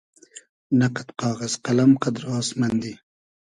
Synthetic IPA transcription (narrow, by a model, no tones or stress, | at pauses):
naqat̪qɑːɣazqalɐmqad̪ɾaːsmɐnd̪i